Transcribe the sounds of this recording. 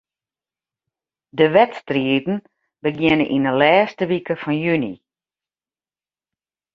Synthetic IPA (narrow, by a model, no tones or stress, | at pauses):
dəʋɛtstriədn̩ | bəɡjɪnəʔḭnəlɛːstəʋikəfɔnjynḭ